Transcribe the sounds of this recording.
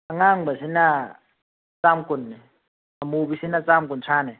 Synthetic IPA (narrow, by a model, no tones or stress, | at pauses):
aŋaŋbasina | t͡samkʼun | amuɓisinat͡samkunt͡sʰaːnɛ